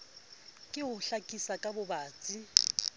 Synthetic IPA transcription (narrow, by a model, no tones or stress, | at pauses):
kʼɪʊɬakʼisakʼabʊbaːt͡sʼi